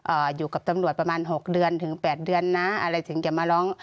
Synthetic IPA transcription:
ʔɤː˧˩juː˨˩ka˨˩p̚t̪a˧mlu˨˩ət̪̚pa˧maː˧˥nɦo˨˩k̚dɯ˧ənt̪ʰɯ˨˩˦ŋpɛː˨˩t̪̚dɯ˧ənːa˧˦˥ʔa˧ɾa˧˩jsɯ˨˩˦ŋt͡ɕa˨˩maː˧lɔː˧˥˨ŋ

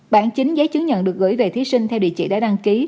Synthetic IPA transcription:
ɓaː˧˩nt͡ɕï˨˦ŋ̟zə˨˦jt͡ɕɨ˨˦ŋɲə̰˧˨nɗɨ˨˩ək̚ɣɨ̰˧˩jve˨˩t̪ʰi˨˦sï˧ŋt̪ʰɛ˧wɗḭ˧˨t͡ɕḭ˧˨˩ɗa̰ː˧˥ɗa˧ŋki˨˦

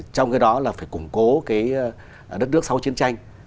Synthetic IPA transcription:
t͡ɕɔ˧wŋ͡mkaː˨˦jɗɔ˨˦laː˨˩faː˧˩jkʊ˨˧˩ŋ͡mko˨˦kaː˨˦j | ɗə˦˥t̚nɨ˦˥ək̚sa˨˧wt͡ɕi˨˦ənt͡ɕa˧jŋ

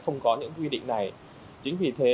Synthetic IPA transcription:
xə˧wŋ͡mkɔ˨˦ɲɨ̰˧˥ŋkwi˧ɗḭ̈˧˨ŋ̟na˨˩j | t͡ɕï˨˦ŋ̟vi˨˩t̪ʰe˨˦

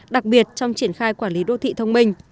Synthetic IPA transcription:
ɗa˨˩k̚ɓi˨˩ət̚t͡ɕɔ˧wŋ͡mt͡ɕi˧˩ənxaː˧jkwaː˧˩nli˨˦ɗo̰˧˨t̪ʰḭ˧˨t̪ʰə˧wŋ͡mmï˧ŋ̟

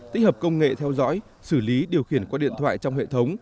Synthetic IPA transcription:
t̪i˦˥k̚həː˨˩p̚kə˧wŋ͡mŋḛ˧˨t̪ʰɛ˧wzɔ̰˧˥j | sɨ˧˩li˨˦ɗi˨˩əwxi˧˩ənkwaː˧ɗḭ˧˨ənt̪ʰwa̰ː˧˨jt͡ɕɔ˧wŋ͡mhḛ˧˨t̪ʰə˨˦wŋ͡m

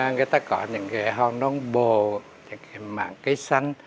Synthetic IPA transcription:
ŋɨ˨əjt̪aː˧kɔ˧˦ɲɨ̰˧˥ŋkɛ˨˧˦jɦɔ˧˩nɔ˨˦ŋɓo˨˩ | ɲɨ̰˧˥ŋkaː˨˦jma̰ː˧˨ŋkə˨˦jsa˧jŋ̟

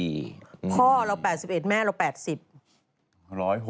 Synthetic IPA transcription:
pʰɔː˥˩ɾa˧wpɛː˨˩t̪̚si˨˩p̚ʔe˨˩t̪̚mɛː˥˩ɾa˧wpɛː˨˩t̪̚si˨˩p̚ | ɾɔː˦˥jɦ

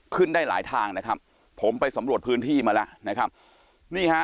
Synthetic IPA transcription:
kʰɯ˥˩ndaː˥˩jla̰ː˩˦jt̪ʰaː˧ŋna˦˥kʰa˦˥p̚ʰː | o˩˦mpa˧jsa˩˦mɾu˨˩ət̪̚pʰɯː˦˥nt̪ʰiː˥˩maː˧lɛ˦˥ʔna˦˥kʰa˦˥p̚ | niː˥˩kʰa˦˥

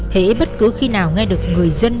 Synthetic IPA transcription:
hḛ˧˥ɓə˦˥t̚kɨ˨˦xi˧naː˨˩wŋɛ˧ɗɨ˨˩ək̚ŋɨ˨˩əjzə˧n

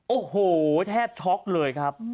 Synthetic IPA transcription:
ʔoː˨˩hoː˨˩t̪ʰɛː˥˩p̚t͡ɕʰɔ˦˥k̚lɤː˧jkʰɾa˦˥p̚

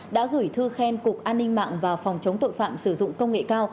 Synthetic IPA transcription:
ɗa̰ː˧˥ɣɨ˧˩jt̪ʰɨ˧xɛ˧nkʊ˨˩k̚ʔaː˧nːï˧ŋma̰ː˧˨ŋvaː˨˩fɔ˨˩wŋ͡mt͡ɕə˨˦wŋ͡mt̪o̰˧˨jfa̰ː˧˨msɨ˧˩zʊ̰˧˨ŋ͡mkə˧wŋ͡mŋḛ˧˨kaː˧w

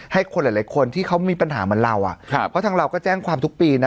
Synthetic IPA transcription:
ha˥˩jkʰo˧nla˨˩la˨˦jkʰo˧nt̪ʰiː˥˩kʰa˦˥wmiː˧pa˧nɦaː˩˦mɯ˧˦ənɾa˧wʔa̰˨˩ʔʰpʰɔ˦˥t̪ʰaː˧ŋɾa˧wkɔː˥˩t͡ɕɛː˥˩ŋkʰwaː˧mt̪ʰu˦˥k̚piː˧na˦˥

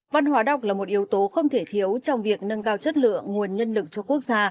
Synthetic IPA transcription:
va˧nhwaː˨˦ɗa˨˩wk͡p̚laː˨˩mo˨˩t̚ʔi˨˦əwt̪o˨˦xə˧wŋ͡mt̪ʰe˧˩t̪ʰi˨˦əwt͡ɕɔ˧wŋ͡mvi˨˩ək̚nə˧nkaː˧wt͡ɕə˦˥t̚lɨ̰˧˨əŋːu˨˩ənɲə˧nlɨ˨˩k̚t͡ɕɔ˧ku˦˥ək̚zaː˧

